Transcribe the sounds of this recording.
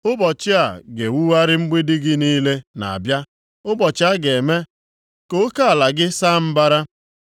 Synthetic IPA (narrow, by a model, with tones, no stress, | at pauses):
ʊ˦bɔ˨t͡ʃɪ˦a˨ɡe˨wu˦wa˦ɾɪ˦ŋ͡m̩˦ɡ͡bi˦dɪ˦ɡɪ˦niː˦le˦na̰˨a̰˨bja˦ | ʊ˦bɔ˨t͡ʃɪ˦a˦ɡe˨me˦ | ko˦ka˦a˨la˨ɡɪ˦sa˦m̩˦ba˦ɾa˦